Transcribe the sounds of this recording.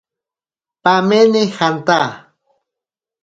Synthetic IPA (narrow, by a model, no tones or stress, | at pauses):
pamenɪxant̪a